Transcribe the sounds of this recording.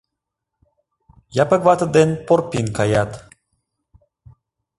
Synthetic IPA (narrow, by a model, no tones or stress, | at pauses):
japəkvat̪əd̪enporpinkajat̪